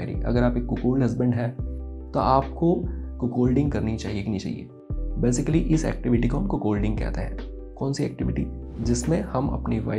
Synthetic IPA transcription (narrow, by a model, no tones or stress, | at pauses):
ɾḭʔɐ̰ɡəɾaːpeːkːʊkoːlɦɐzbə̃ɳɖɦɛː | t̪oʔaːp̚kokʊkoːlɖɪ̃ŋɡkɐɾnit͡ʃaːɦieɡinit͡ʃa̰ːɦḭḛː | beːsɪkəliʔɪsɛ̰ːk̚ʈɪʋɪʈikoɦɐmkokoːlɖɪ̃ŋɡkɛ̰ːt̪eɦɛ̰̃ː | kɔːnsiɛ̰ːk̚ʈɪʋɪʈḭ | d͡ʒɪsmẽhɐmɐ̰pniʋa̰ː